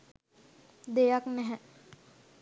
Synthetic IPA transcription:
d̪ejaknɛɦɛ

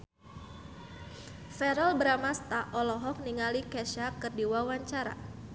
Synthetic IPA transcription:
fɛɾɔlbɾamast̪aʔɔlɔɦɔk̚niŋalikɛʃakɨrdiwawaɲt͡ʃaɾa̰

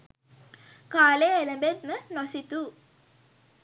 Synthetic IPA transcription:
kaːleeləmbet̪mənasit̪u

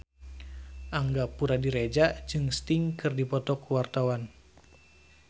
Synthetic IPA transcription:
ʔaŋɡapuɾadiɾed͡ʒad͡ʒɨŋst̪iŋkɨrdipɔt̪ɔkuwart̪awan

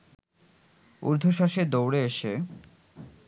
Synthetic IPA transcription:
ṵɾd̪ʱoʃaʃed̪owɽeeʃe

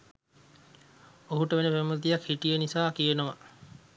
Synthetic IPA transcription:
oɦuʈəʋenepæmət̪ijakhiʈijənisaːkijenoʋa̰

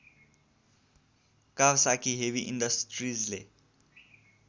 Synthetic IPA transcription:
kaʋsakʰiːɦeʋiʔinɖəsʈɾiːzle

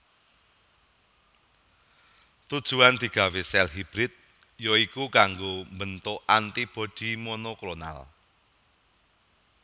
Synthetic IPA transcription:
t̪ud̥ʒ̥ṳand̪̥i̤ɡ̥a̤wesɛlɦib̥ɾɪt̪̚ | jɔikukaŋɡombənt̪ʊʔant̪ib̥ɔ̤d̪̥i̤monokɾona̰l

